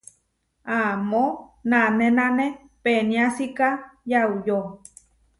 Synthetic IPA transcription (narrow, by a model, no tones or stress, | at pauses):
amonanenane | peniasikajaujo